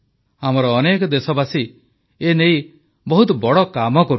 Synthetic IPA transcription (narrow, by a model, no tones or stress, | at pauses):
amɔɾɔːnekɔd̪esɔbasi | enej | bɔɦut̪ɔbɔɽɔkamɔkɔɾu